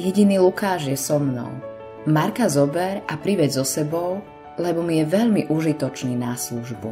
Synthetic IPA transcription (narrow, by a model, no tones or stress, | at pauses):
jɛɟiniːlukaːʒjɛsɔmnɔ̰ʊ | maɾkazɔbɛɾapɾiʋɛd͡zzɔsɛbɔʊ | lɛbɔmijɛʋɛʎmiʔuʒit̪ɔt͡ʃniːnasluʒbṵ